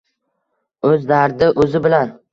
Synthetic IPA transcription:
ɵzd̪aɾd̪ɪʔɵzɪbɪlan

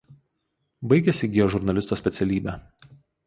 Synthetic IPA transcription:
bɐɪɡʲɛsʲɪɡʲɪjoːʒʊɾnɐlʲɪst̪oːsʲpʲɛt̪sʲɛlʲiːbʲæː

